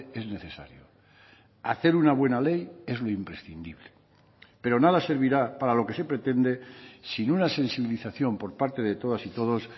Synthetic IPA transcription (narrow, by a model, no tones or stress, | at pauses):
e̞zne̞θe̞sa̰ɾjo | a̰θe̞ɾunaβwe̞nale̞je̞zlo̞impɾe̞sθḭnd̪iβle | pe̞ɾo̞naðase̞ɾβ̞iɾapaɾalo̞ke̞se̞pɾe̞t̪e̞nd̪e̞sinunase̞nsiβ̞iliθaθjo̞mpo̞ɾpaɾt̪e̞ðe̞t̪o̞ð̞asit̪o̞ð̞o̞s